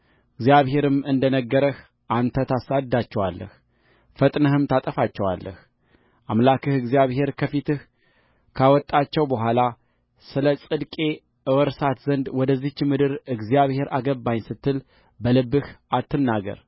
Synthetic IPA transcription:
ʔɨɡzjaβhe̞ɾɨmɨnd̪ənəɡːəɾəh | ʔant̪ʰət̪ʰasad̪ːat͡ʃːɛwa̰lːə̰h | fət̪ʼnəhɨmt̪ʰat̪ʼəfat͡ʃːɛwa̰lːʔə̰h | ʔamlakɨhɨɡzijaβhe̞ɾkʰəfit̪ɨh | kʰawɔt̪ʼːat͡ʃːɛwbəɦʷala | sɨləsʼɨd̪kʼe̞ | ʔɨwɔɾsat̪zənd̪wɔd̪əzːit͡ʃːɪmɨd̪ɨɾɨɡzijaβhe̞ɾaɡəbːajnsɨt̪ʰːɨl | bəlɨbːɨhat̪ːɨnːaɡə̰ɾ

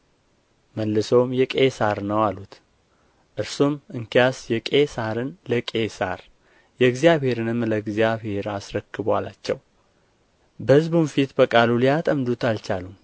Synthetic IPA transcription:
məlːɨsəwmjɛkʼesaɾnəwalut̪ | ʔɨɾsumɨŋkijasjɛkʼe̞saɾɨnləkʼe̞sa̰ɾ | jɛɡzijaβhe̞ɾɨnɨmləɡzjaβhe̞ɾasɾəkːɨbwala̰t͡ʃːɛw | bəhɨzbunfit̪bəkʼaluliat̪ʼəmd̪ut̪alt͡ʃalum

